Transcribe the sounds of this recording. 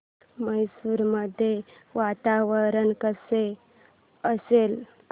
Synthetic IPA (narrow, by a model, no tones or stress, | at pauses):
məjsuːɾməd̪ʱːje | ʋat̪aʋəɾənkəse | əsel